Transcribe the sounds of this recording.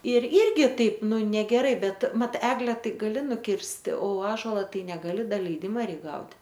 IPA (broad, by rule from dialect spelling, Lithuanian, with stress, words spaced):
ɪr ˈɪrʲɡʲɪ ˈtɐɪp ˈnʊ nʲɛɡʲɛˈrɐɪ ˈbʲɛt ˈmɐt ˈæːɡlʲɛ ˈtɐɪ ɡɐˈlʲɪ nʊˈkʲɪrʲsʲtʲɪ oː ˈɑːʒoːlˠɐ ˈtɐɪ nʲɛɡɐˈlʲɪ ˈdɐ lʲɛɪˈdʲɪmɐ ˈrʲɛɪk ɡɐʊtʲ